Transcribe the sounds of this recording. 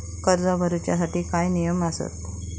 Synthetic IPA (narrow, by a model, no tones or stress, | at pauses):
kəɾd͡zabʱəɾət͡ɕjasaʈiːkajnijəməsə̰t̪